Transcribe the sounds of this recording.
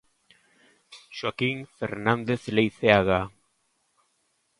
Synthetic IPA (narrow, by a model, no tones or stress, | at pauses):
ʃakiŋfeɾnand̪e̞θlejθeaɣa